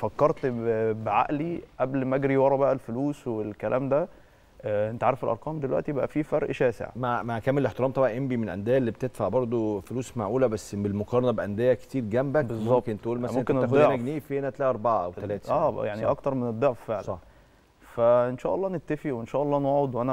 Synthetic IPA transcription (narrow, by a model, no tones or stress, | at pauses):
fækːɑɾˤt̪bʕa̰ʔliʔæblmæɡɾiwɑɾˤɑbæʔælfoluːswelkælʔæ̰ːmd̪æ | ʔent̪ʕaɾefelʔɑ̰ɾˤqɑːmd̪elwæʔt̪ijebʔæ̰fifɑɾˤʔʃæːsḛʕmamakæmːenlʔeħt̪eɾɑːmt̪ˤɑbʕɑʔembimenʔæ̰nd̪ejːæʔelːiːbet̪ed̪faʕbɑɾˤd̪ˤofoluːsmaʕʔuːlæbæsːbelmokɑɾˤɑnɑbʔænd̪ejækt̪iːɾɡæmbæbezmːɑkent̪ʔuːlmæsontːkːeænæxod̪æɡniːfeːnæt̪ælæːʔɑɾˤbaʕaʔæ̰wt̪ælæːt̪æʔæːjaʕniʔɑ̰kt̪ɑɾˤmened̪ˤːɑʕffeʕlæsɑ | fæʔenʃæːʔɑlˤːɑːnet̪ːæfiwenʃæːʔɑlˤːɑːnwɑːwod̪wʔænæ